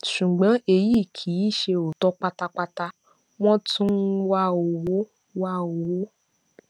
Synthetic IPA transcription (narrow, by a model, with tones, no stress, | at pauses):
ʃu˨ɡ͡bɔ̃˨˦e˧ji˦˨kʰi˨˦i˦˨ʃe˧o˨tɔ˦k͡pa˧ta˧k͡pa˧ta˧ | w̃ɔ̃˦tũ˦n̩˦wa˦o˨wo˨˦ | wa˦o˨wo˨˦